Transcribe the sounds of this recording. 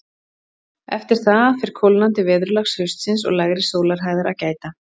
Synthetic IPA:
ɛ̰ft̪ɪɾ̥θafɪɾ̥kʰolnant̪ɪvɛːðɾʏlaxshʏst̪sɪnsɔ̰ɣlaɣɾɪsoːwlaɾ̥ɦaːjðaɾacaːjt̪a

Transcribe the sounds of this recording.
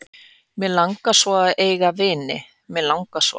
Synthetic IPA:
mɛlaŋkasvɔaðeːjɣavɪːnɪ̰ | mɛlawŋkasvɔ̰

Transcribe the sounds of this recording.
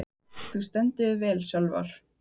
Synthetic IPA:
θust̪ɛnt̪ɪʏvɛːlsjœlva̰ɾ̥

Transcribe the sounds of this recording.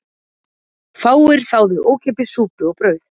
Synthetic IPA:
faːwɪɾ̥θawðʏʔoːwcʰɛpɪsuːpʏɔɣpɾœːɥð

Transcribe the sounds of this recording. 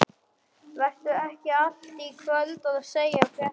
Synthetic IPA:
vɛr̥t̪ʏɛhcɪal̥t̪ikʰvœlt̪ɔɣaðseːjakʰvɛ

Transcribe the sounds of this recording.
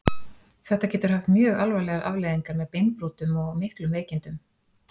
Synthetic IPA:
θɛht̪acɛːt̪ʏɾ̥haft̪mjœːɣalvajlɛːɣaɾʔa̰vlejðiŋkaɾmɛðpejnpɾuːt̪ʏmɔɣmɪhklʏmveːjcɪnt̪ʏm

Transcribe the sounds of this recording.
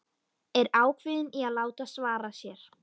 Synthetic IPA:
ɛɾaːwkʰvɪðɪniaðlaːwt̪asvaːɾasjɛɾ̥

